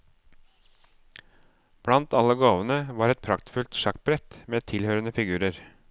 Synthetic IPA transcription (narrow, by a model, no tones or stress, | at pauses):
b̥ɽɑnt̪ɑlːəɡoːʋənəʋɑːɾɛt̪̚pʰɾɑkt̪fʉlt̪ʃɑk̚bɾɛt̪meːt̪ʰɪlhøːɾənəfɪɡʉːɾəɾ